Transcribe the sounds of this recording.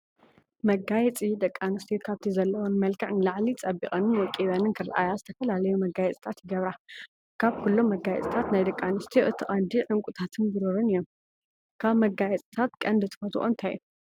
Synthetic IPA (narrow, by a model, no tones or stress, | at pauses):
mɐɡajɛt͡sʼid̪ɐkʼːanɨst̪ʰijkʰaβt̪ʰizɐlːɐwonmɐlkʰɐʕnilaʕlit͡sʼɐbiχʼɐnɨnwɔkʼːid̪anɨnkʰɨɾʔa̰jazɨt̪ʰɐfɐlalɐjumɐɡajɛt͡sʼi̥t̪ʰat̪jɪɡɐβɾa | kʰaβkʰulːomːɐɡajɛ̰t͡sʼit̪ʰat̪najd̪ɐkʼːanɨst̪ʰijoʔɨt̪ʰiχʼɐnd̪iʕɨŋkʷʼut̪ʰat̪ʰɨnbɨɾɨɾɨnɨjːom | kʰaβmɐɡajɛt͡sʼit̪ʰat̪kʼɐnd̪ɨt̪ʰɨ̥fɐt̪ʰṵʔʼont̪ʰaju